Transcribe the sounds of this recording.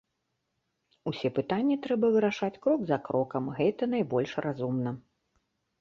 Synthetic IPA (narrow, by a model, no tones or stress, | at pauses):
usʲɛpɨt̪anʲːɛt̪ɾɛbɐvɨɾaʂat͡sʲkɾɔɡzakɾɔkɐmɣɛt̪ɐn̪ajbɔlʲʂrʔazumnɐ